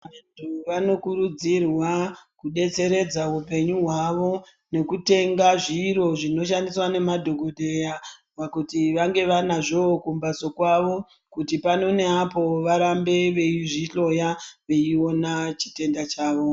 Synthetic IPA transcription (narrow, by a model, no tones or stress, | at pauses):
antʰuʋano̞kuɾud͡zirwakuɗe̞t͡se̞ɾe̞d͡zaupe̞ɲuɦwaʋo̞ | ne̞kute̞ŋɡaʐiːɾo̞ʐino̞ʃandiswane̞madʱo̞ɡʱo̞ɗʱeja | ʋakutiʋaŋɡe̞ʋanaʐo̞kumbaso̞kwaʋo̞ | kutipano̞ne̞apo̞ʋaɾambe̞ʋe̞iʐiɬo̞jaʋe̞io̞nat͡ʃi̥te̞ndat͡ʃaːʋo̞